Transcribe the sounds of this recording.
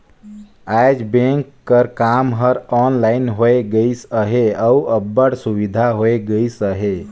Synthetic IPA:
ajd͡ʒbẽŋkːəɾkamɦəɾɔnlainɦoeɡəɪsəɦeauəbːəɽsuʋid̪ʱaɦoeɡəjsəɦe

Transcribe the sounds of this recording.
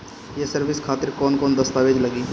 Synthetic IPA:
jesəɾʋɪskʰaːt̪ɪɾkɔːnkoːnd̪ɐst̪aːʋeːd͡ʒlɐɡiː

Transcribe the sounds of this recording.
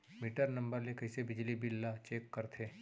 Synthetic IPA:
miːʈəɾnɐ̃mbəɾlekɐɦɪsebɪd͡ʒlibɪlːat͡ʃeːkːɐɾt̪ʰeː

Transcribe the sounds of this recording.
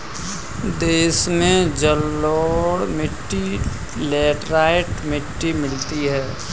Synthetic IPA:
d̪eːsmẽd͡ʒəlːoːɽmɪʈːi | lɛːʈɾaːɪʈmɪʈːimɪlt̪iɦɛː

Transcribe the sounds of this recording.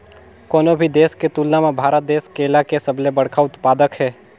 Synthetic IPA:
kɔːnobʱid̪eːsket̪uːlnamẽbʱaːɾət̪̚d̪eːskeːlakesəblebəɐɽkʰaʊt̪paːd̪əkɦɛː

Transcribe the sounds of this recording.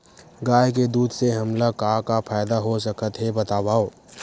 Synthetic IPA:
ɡaːjked̪uːd̪seɦɐmlakaːkapʰaːɪd̪aɦos̬əkət̪ɦebɐt̪aːʋaːoː

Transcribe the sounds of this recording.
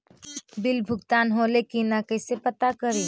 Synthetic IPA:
bɪlbʱʊɡt̪aːnɦolekinakəɪsepət̪akəɾi

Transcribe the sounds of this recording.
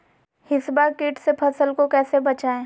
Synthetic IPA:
hɪsbakiːʈsepʰɐsəlkokɛːsebɐt͡ʃaːẽː

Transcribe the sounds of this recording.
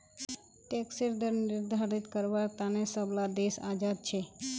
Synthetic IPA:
t̪eksiɾd̪ʱəɾnɪɾd̪ʱaɾit̪kəɾʋaɾt̪anesəblad̪esad͡ʒad̪̚t͡ʃʰe

